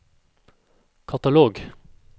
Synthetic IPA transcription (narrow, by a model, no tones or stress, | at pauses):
kʰɑt̪ɑloːɡ